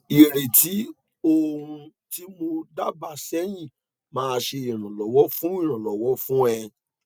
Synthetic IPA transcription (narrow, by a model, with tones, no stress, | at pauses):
i˨ɾe˨ti˨˦ | o˦˧hũ˧ | ti˦mo˧da˦ba˧sɛ˦j̃ĩ˦˨ | mãː˦˧ʃe˧i˨ɾ̃ã˨lɔ˨wɔ˦fũ˦ĩ˦˨ɾ̃ã˨lɔ˨wɔ˨˦fũ˦ɛ˧